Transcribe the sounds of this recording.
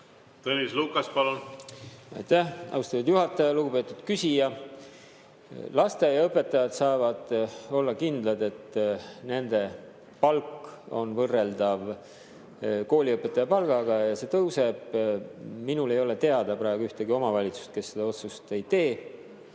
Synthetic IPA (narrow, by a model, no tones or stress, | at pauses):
t̪ɤnʲisluːkˑɑspɑlun | ɑ̰jt̪æhʔɑ̰uwst̪ɑt̪ud̪juɦɑt̪ːˑɑjɑluɡ̥upe̞ːt̪ːˑud̪̥kysʲijɑ | lɑst̪ejɑɤpːˑe̞t̪ːˑɑjɑd̪̥sɑːvɑd̪̥o̞lːɑkind̪̥lɑd̪e̞t̪ːˑne̞nd̪̥e̞ | pɑlko̞̰nvɤrːe̞ld̪̥ɑv | ko̞ːlʲiɤpːˑe̞t̪ːˑɑjɑpɑlɡ̥ɑɡ̥ɑjɑse̞ːt̪ɤwse̞b̥ | minule̞jo̞le̞t̪e̞ɑd̪̥ɑpɾɑeɡ̥uyht̪eɡio̞mɑvɑlʲit̪su̥st̪̚ke̞sːe̞d̪ɑo̞t̪sust̪e̞jt̪e̞ː